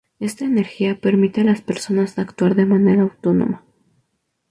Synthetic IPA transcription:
e̞st̪aene̞ɾxiape̞ɾmit̪e̞alaspe̞ɾso̞nazakt̪waɾðe̞mane̞ɾaːwt̪o̞no̰ma

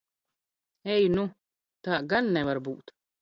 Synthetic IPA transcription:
ɛjnu | t̪aːɡanːɛvaɾbuːt̪

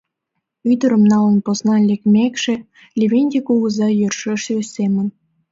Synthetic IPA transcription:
yd̪ə̆ɾə̆mnɑlə̆nposnɑlʲekmʲekʃĕ | lʲeβʲenʲdʲikuɣəzɑjørʃĕʃesemə̆n

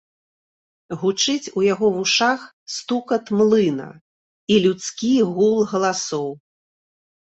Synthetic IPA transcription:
ɣut͡ʂɨt͡sʲujaɣɔvuʂax | st̪ukɐt̪mlˠɨnɐ̰ | ilʲut̪skʲiɣulˠɣɐlˠasɔw

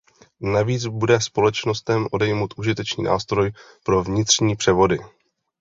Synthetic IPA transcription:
naviːt͡sbudɛspo̞lɛt͡ʃno̞st̪ɛmʔo̞dɛjmowt̪ʔuʒɪt̪ɛt͡ʃnḭːnʔa̰ːst̪ɾo̞j | pɾo̞vɲɪt̪r̝̥ɲiːpr̝̥ɛvo̞dɪ

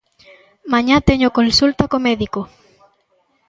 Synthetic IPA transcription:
mãɲat̪eɲokonsult̪akomeðiko

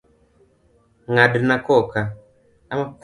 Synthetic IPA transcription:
ŋadnakɔka | amak

